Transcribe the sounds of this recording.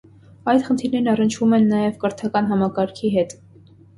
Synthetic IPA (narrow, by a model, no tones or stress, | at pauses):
ɑjt̪χənt̪ʰiɾnɛɾnɑrənt͡ʃʰvumɛnːɑjɛvkəɾt̪ʰɑkɑnɦɑmɑkɑɾkʰiɦɛt̪